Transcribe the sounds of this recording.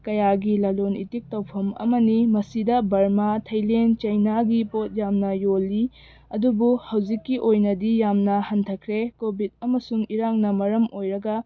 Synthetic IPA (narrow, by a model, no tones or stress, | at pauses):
kɐjaɡilɐlonḭtik̚tɐwpʰɐmɐ̰mɐnimɐsidɐbɐɾmatʰɐjlent͡ʃɐjnaɡipot̚jamnɐjolːi | ɐdubuhɐwd͡ʒikːiʔojnɐdijamnɐhɐntʰɐkʰɾekobʱid̚ɐmɐsuŋiɾaŋnɐmɐɾɐmojɾɐɡɐ